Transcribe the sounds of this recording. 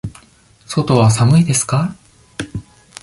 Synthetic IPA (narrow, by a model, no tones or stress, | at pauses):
so̞t̪o̞βas̬amɯ̟id̪e̞sɨ̥ka